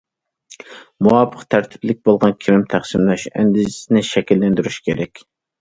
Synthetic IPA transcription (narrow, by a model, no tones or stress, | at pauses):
muwɑpʰːəqt̪ʰæɾt̪ʰɪ̥blɪk̚ʲbolˠʁɑnkʲʰiɾɪmt̪ʰæχsɪmlɛʃɛ̰nd̪ɪzsɪnɪʃɛkʲilːænd̪yɾyʃkʲʰeɾɛkʲ